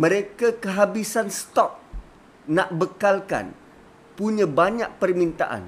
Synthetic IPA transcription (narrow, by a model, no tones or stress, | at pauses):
mə̃ɾekakəɦabisanst̪ɔp̚ | naʔbəkalka̰n | puɲãbaɲaʔ̚pərmĩnt̪aʔa̰n